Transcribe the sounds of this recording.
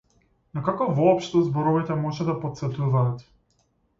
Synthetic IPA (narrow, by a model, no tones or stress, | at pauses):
nakakɔvɔːpʃt̪ɔzbɔɾɔvit̪ɛmɔʒɛd̪apɔt̪sɛt̪uvaːt̪